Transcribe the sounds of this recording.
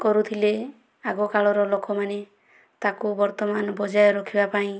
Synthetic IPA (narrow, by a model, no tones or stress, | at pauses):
kɔɾut̪ʰile | aɡɔkaɭɔɾɔlokɔmane | t̪akubɔɾt̪ɔmanɔbɔd͡ʒajɔɾɔkʰibapaĩ